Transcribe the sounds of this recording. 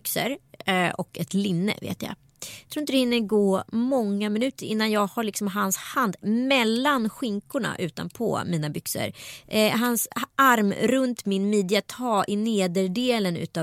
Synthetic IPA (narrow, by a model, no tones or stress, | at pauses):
ksə̰ɾʔɔkɛt̪lɪnːə̰vḛːt̪ja̰ː | jt̪ʰɾuːɪnt̪əd̪hɪnːəɾɡoːmɔŋːamɪnʉ̟ːt̪əɾɪ̰nːanjɑːɡhaɭɪksɔmɦanshand̪mɛlːanɧɪŋkʊɳa̰ʔʉ̟ːt̪a̰npʰɔ̰miːnabʏksə̰ɾɦansaɾmɾɵnt̪mɪnmid̪ɪat̪ʰɑːʔɪneːd̪əɖeːlənʉ̟̰ːt̪a